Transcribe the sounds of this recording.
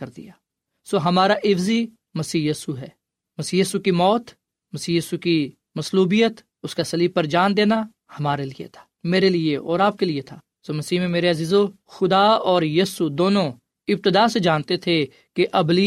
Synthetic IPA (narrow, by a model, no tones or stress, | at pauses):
ɐɾd̪ḭjaː | soːɦɐmaːɾaʔɪfzi | mɐsiːjiːsuɦɛː | mɐsiːjiːsukimɔːt̪ | mɐsiːjiːsuki | mɐsluːbijət̪ | ʊskasɐliːb̚pɐɾd͡ʒaːnd̪eːna | hɐmaːɾelijḛt̪ʰḁːmeːɾelieɔːɾaːp̚keliet̪ʰaː | soːmɐsiːmẽmeːɾeɐziːzo | xʊd̪aːɔːɾjiːsud̪oːnõ | ɪb̚t̪ɪd̪aːsed͡ʒaːnt̪et̪ʰe | keʔɐbli